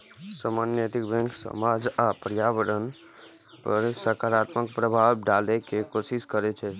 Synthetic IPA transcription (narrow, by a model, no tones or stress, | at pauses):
səmanjet̪ikbɛ̃ŋkʰsə̰mad͡ʒapɾjaʋəɽən | pəɾsəkaɾat̪məkpɾəbʱabɖalɛkekosiskəɾɛt͡ʃʰɛ